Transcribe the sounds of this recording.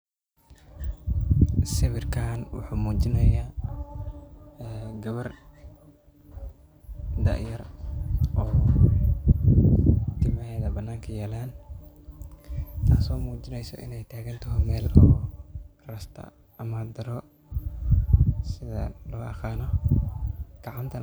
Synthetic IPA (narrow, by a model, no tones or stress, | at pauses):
sɪβɪrkʰaːnwʊ̰ħuːmuːt͡ʃɪnɐjaː | ɡɐβɐr | d̪ɐ̰ʔjɐrʔɔː | t̪ʰɪmɐɦɛːðɐbɐnːaːŋkʰɐjaːlaːn | t̪ʰaːsɔːmuːt͡ʃɪnɛjsɔ̰ʔɪ̰nɛjt̪ʰaːɣɐnt̪ʰɔɦɔmɛːlɔː | rɐst̪ʰɐ̰ | ɐmaːd̪ɐɾɔ | sɪðɐ̰lɔːʔɐχaːnɔ | ɡ̥ɑʕɑnt̪ʰɐ